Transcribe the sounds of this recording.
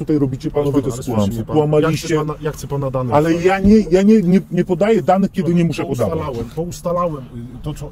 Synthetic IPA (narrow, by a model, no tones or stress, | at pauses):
t̪ut̪ajɾɔbʲit͡ɕɛpanɔvʲjɛt̪ɛsk̪ulamsupwamalʲiɕt͡ɕɛjak̪ɛpand̪aalɛjaɲɛjaɲɛɲɛɲɛpɔd̪ajɛd̪anɘxkʲɛd̪ɘɲɛmuʂɛpɔd̪avwɛɔust̪alawɛt̪ɔɔ